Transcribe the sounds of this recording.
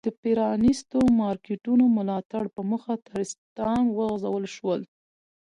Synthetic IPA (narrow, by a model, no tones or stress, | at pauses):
d̪̥əpeɾɑnist̪omɑɾkeʈunomʊlɑt̪aɽpəməxat̪aɾɪst̪ɑnwəɣzawəlʃwəl